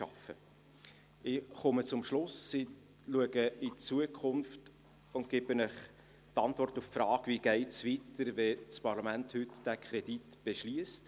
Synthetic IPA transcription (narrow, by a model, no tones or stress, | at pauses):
ɑ̰fə̰ | ɪχʊmət͡sʊmʃlʊsɪ | luəɡəit͡suəkʰχʊnft | ʊntkɪbənɪχ | tɑntvɔrtuffrɑːɡ̥viɡ̥ɛɪtsvitəɾvɛspɑɾlɑmænthʉtd̥ækʰχɾed̥itb̥eʃliəst